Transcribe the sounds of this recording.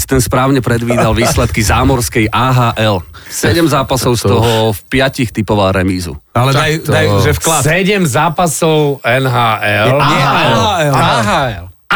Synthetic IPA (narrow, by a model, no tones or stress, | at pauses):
t̪ɛnspɾaːʊɲɛpɾɛd̪ʋiːd̪alʋiːsslɛt̪kizaːmɔɾskɛjʔaːɦaːʔɛl | sɛɟɛmzaːpasɔʊst̪ɔɦɔfpɪacixt̪ipɔʋaɾɛmiːzṵalɛjd̪ajuʒɛfklasɛɟɛmzaːpasɔʊɛnɦaːʔɛlɛɦaɛlaɦaɛl